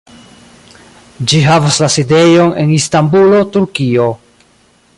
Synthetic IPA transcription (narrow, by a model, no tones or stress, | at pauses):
d͡ʒiɦavaslaside̞jo̞ne̞̰nistambulo̞tuɾkio̞